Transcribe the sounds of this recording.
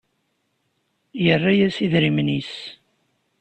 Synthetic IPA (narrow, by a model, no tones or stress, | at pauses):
jərːajæsiðɾimnis